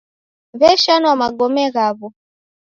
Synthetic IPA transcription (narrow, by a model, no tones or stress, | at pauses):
vɛʃanɔamaɡɔmɛɣaβɔ